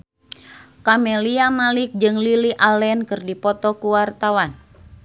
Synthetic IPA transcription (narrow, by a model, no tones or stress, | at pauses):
kamɛliamalɪk̚d͡ʒɨŋliliʔalɛnkɨrdipɔt̪ɔkuwart̪awan